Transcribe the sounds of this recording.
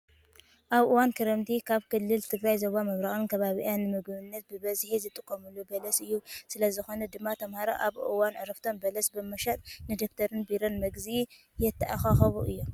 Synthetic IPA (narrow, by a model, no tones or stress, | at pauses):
ʔaβʔɨwankʰɨɾɐmt̪ʰikʰaβkʰɨlːɨlt̪ʰɨɡɾajzoβamɐβɾaɣʼɨnkʰɐβaβḭʔanːɨmɨɡβɨnːɐt̪̚bɨbɐzħizɨt̪ʼːɨkʼːomulːubɐlɐsɨjːusɨlɐzɨxo̞nɐd̪ɨmːat̪ʰɐmhaɾoʔaβʔɨ̰wanɨɾɐft̪ʰo̞mbɐlɐsbɨmɐʃɐt̪ʼnɨd̪okt̪ʰɐɾɨnbiɾonmɐɡzi | jɛt̪ʰːɐʔaxaxɐβuʔɨ̰jːom